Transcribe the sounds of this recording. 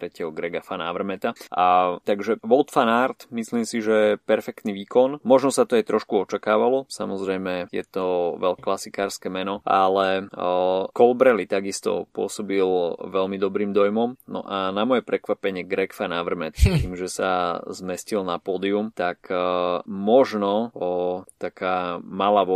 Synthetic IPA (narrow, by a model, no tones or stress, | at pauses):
t̪ɾɛcɛɦɔɡɾɛɡafana̰ʋr̩mɛt̪aʔat̪aɡʒɛʋɔlˠt̪fanaɾt̪misliːmsiʒɛɛpɛɾfɛkt̪niʋiːkɔnmɔʒnɔsat̪ɔajt̪ɾɔʃkuɔt͡ʃakaːʋalɔsamɔzɾɛjmɛjɛ̰t̪ɔʋɛʎklasikaːɾskɛmɛnɔʔa̰lɛ | kɔlbɾɛlit̪aɡist̪ɔ̰pʊɔsɔbilʋɛlmid̪ɔbɾiːmd̪ɔjmɔmnɔ̰ʔanamɔjɛpɾɛkʋapɛɲɪɛɡɾɛkfanaʋr̩mɛt̪tt̪iːmʒɛsazmɛscilnapɔːd̪iumt̪ak | mɔʒnɔ | t̪akʰaːmalaʋ